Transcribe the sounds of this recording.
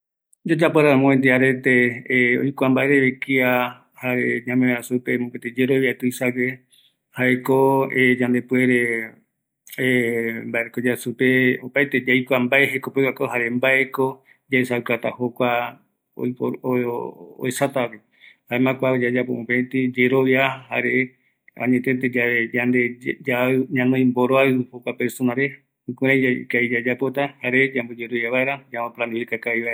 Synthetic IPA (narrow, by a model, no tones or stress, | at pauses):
d͡ʒad͡ʒapoɾamõent̪̬iaɾet̪eojkʷambaeɾeβekia | haɾeɲãmẽɾasupemõket̪ed͡ʒeɾoβiat̪uisaɡe | haekoed͡ʒãnd̪epweɾe | embaeɾekod͡ʒasupeopajt̪ed͡ʒajkʷambaeɦekopewakoɦaɾembaʔeko | d͡ʒaesawkat̪ahokʷa | o̰ | o̰esat̪ape | aemãkʷad͡ʒad͡ʒapoũpet̪id͡ʒeɾoβjaha̰ɾe | ã̰ɲẽt̪ẽt̪̬ed͡ʒaβed͡ʒand̪ed͡ʒaɲãnõĩmboɾoaho̞kʷapeɾsonaɾe | ĩkẽɾ̃ãjakaid͡ʒad͡ʒapo̞t̪ahaɾed͡ʒãmbod͡ʒeɾoβjaβaeɾad͡ʒamãplãnuikakaiβaeɾa